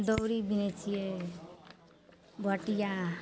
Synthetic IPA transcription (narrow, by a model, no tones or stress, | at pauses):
d̪ɔwɾibinet͡ʃʰije | bʱʌʈija